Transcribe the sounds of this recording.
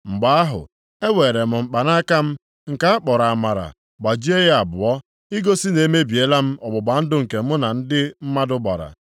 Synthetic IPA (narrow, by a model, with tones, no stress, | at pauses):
ŋ͡m̩˨ɡ͡ba˨˦a˦ɦʊ̰˨ | e˦we˨ɾe˨m̩˨ŋ͡m̩˨k͡pa˨na˦ka˦m̩˦ | ŋ̩˨ka˦a˦k͡pɔ˨ɾa˨a˨ma˨ɾa̰˨ | ɡ͡ba˨d͡ʒi˦e˦ɣa˨bʊ˨ɔ˦ | ɪ˦ɡo˦si˦ne˨˦me˦bi˨e˦la˦m̩˦ɔ˨bʊ˨ba˨n̩˦dʊ˦ŋ̩˨ke˨m̩˦ʊ˦na˨n̩˦dɪ˦m̩˦ma˦dʊ˦ɡ͡bɔ̰˨ɾa̰˨